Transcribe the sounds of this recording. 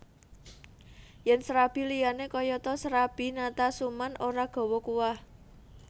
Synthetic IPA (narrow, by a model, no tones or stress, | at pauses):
jɛnsɾab̥i̤lijanekɔjɔt̪ɔsɾab̥i̤nat̪asumanʔoɾaɡ̥ɔ̤wɔkuwah